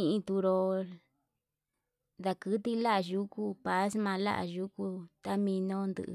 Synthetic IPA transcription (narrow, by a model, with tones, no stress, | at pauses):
ĩ˧ʔĩ˧t̪u˧ɾo˧ | d̪a˧kɨ˦t̪i˦la˦ʔa˧˨ʒu˦ku˦pa˨˦smã˧la̰˦ʔa̰˨ʒu˦ku˦t̪a˦mĩ˧nõ˦˧nd̪ɨ̰˧ʔ